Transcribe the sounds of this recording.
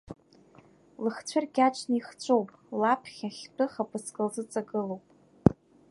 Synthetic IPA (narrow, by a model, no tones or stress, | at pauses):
lɨχt͡ɕʷʰɨrɡʲaʈ͡ʂʰʼniχt͡ɕʷʰʼowpʼlapʰχʲaχʲtʰʼɨχapʼɨskʼɨlzɨt͡sʼaɡɨlo̞wpʼ